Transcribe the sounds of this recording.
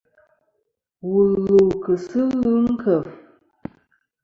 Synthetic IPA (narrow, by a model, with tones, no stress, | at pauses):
wu˨lu˨wkə˨sɨ˦lu˦ŋ̩˦kʰə˨v